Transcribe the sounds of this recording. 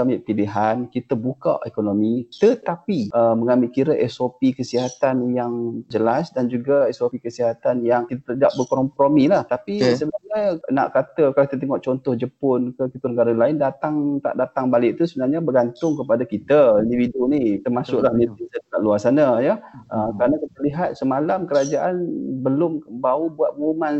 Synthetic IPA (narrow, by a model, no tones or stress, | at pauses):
amiʔpiliɦankit̪əbuka̰ʔekonomit̪ət̪apiʔəməŋambiʔkiɾəʔɛsopikəsiɦat̪anjaŋd͡ʒəlasdand͡ʒuɡaɛsopikəsiɦat̪anjaŋkit̪at̪ədaʔ̚bəkɔɔmpɾomilaht̪apisəbəaɲaəna̰ʔkat̪əkalakit̪ət̪ɛŋɔʔt͡ʃɔnt̪ʊhd͡ʒəpʊnkəkit̪unəɡaɾalaɪndat̪aŋt̪a̰ʔdat̪aŋbalɪʔt̪usəbənarɲabəɡant̪ʊŋkəpadakit̪əindividunit̪ərmasʊʔlanit̪isənəkaʔ̪̚luarsanajəʔəkəɾanakit̪əliɦat̪̚səmalamkəɾad͡ʒaʔanbəlʊmbaubuat̪̚uman